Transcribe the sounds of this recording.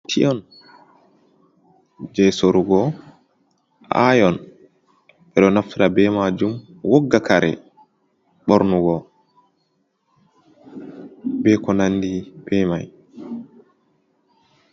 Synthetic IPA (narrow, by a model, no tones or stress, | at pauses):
tʰiʔɔn | d͡ʒɛsoɾuɡɔ | ʔa̰jɔn | ɓɛɗɔnaftiɾabɛmad͡ʒum | woɡːakaɾɛ̰ | ɓɔɾnuɡɔ | bɛkɔnanːdib̥ɛmaj